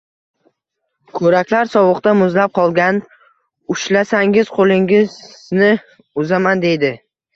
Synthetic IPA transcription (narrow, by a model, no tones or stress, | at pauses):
kʰɵɾakʲlaɾsɒwɨqt̪amʊzlap̚qʰɒlˠɡʲan | ʊʃlasaŋɪz̥qʰolˠɪŋʲɪznɪ | ʊzamand̪e̞jd̪ɪ